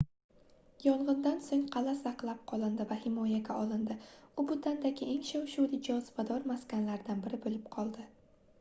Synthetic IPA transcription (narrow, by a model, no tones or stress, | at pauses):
jɒlˠʁɨnd̪ansoŋqʰɑlasaqlˠap̚qʰɒlˠɪnd̪ɪvahɪmɒjaɡʲaɒlˠɪnd̪ɪʊbʊd̪and̪aɡʲɪʔeŋʃawʃuwlɪd͡ʒɒzbad̪ɒɾmaskʲanlaɾd̪anbɪɾɪbɵlɪp̚qʰɒlˠd̪ɪ